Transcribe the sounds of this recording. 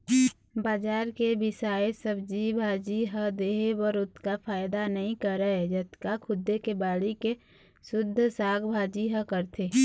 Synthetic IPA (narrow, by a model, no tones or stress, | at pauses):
baːd͡ʒaːɾkebɪsaːesəbd͡ʒibʱaːd͡ʒiɦəd̪eːɦebəɾʊt̪kafʰaːɪd̪anɐɦĩkəɾəed͡ʒət̪kakʰʊd̪ːekebaːɽike | sʊd̪ʱːsaːɡbʱaːd͡ʒiɦə̃kəɾt̪ʰeː